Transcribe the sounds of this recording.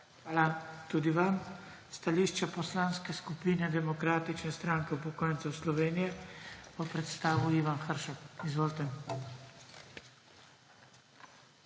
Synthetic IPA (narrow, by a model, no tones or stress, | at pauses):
xʋaːlat̪uːd̪iʋamst̪aliːʃt͡ʃapɔslanskɛskupiːnɛd̪ɛmɔkɾaːt̪it͡ʃnɛst̪ɾaːŋkɛupɔkoːjnt̪sɔwslɔʋeːnijɛɔpɾɛt̪st̪aːʋuiːʋanxəɾʃakizʋoːlt̪ɛ